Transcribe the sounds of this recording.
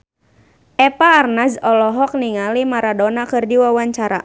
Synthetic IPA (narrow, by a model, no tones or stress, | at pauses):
ʔɛpaːrnazɔlɔɦɔk̚niŋalimaɾadɔnakɨrdiwawaɲt͡ʃaɾa̰